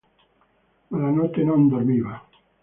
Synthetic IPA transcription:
malanot̪enõnd̪oɾmiβa

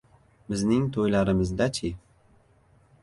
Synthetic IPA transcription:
bɪznɪŋt̪ʰojlaɾɪmɪzd̪at͡ʃʰɪ

